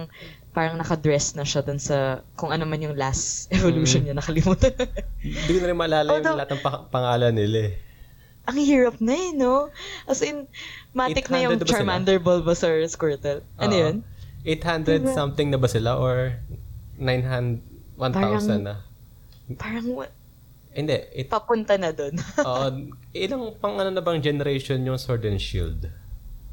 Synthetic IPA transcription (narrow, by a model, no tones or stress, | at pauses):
ŋ | paːɾɐŋnɐkɐd̪ɹɛsnɐʃɐd̪ʊnsɐkʊŋʔɐnomanjʊŋlast̪ʔɛvoluːʃonɲɐnɐkɐlɪmuːt̪ɐ | d̪ikonɐɾɪnmɐʔɐlaːlɐjʊlɐɐt̪ɐŋpɐŋaːlɐnɪla | ʔɐŋhuɹɐp̚nɐnoʔɐsɪnmaːɪknɐjʊt͡ʃɐɹmand̪ɛɹbolbɐsɛɹskwɛɹt̪ɛlʔɐnojonʔejt̪hand̪ɾɛd̪sɐmt̪ɪŋnɐbɐsɪlaʔoɹ | najnɦand̪wanpt̪ːawsɐnnːɐ | paːɾɐŋ | hɪnd̪ɛʔɪpɐpʊnt̪ɐnɐd̪onʔoːʔoʔɪlaŋpɐŋɐnonɐbɐŋd͡ʒɛnɛɾejʃonjʊŋsoɹd̪ɛnʃḭld̪